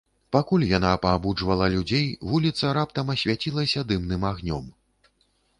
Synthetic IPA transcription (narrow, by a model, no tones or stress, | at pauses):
pakulʲjanapɐːbud͡ʐvɐlˠɐlʲud͡zʲejvulʲit̪sɐɾap̚t̪ɐmɐsʲvʲat͡sʲilˠɐsʲɐd̪ɨmnɨmaɣnʲɔm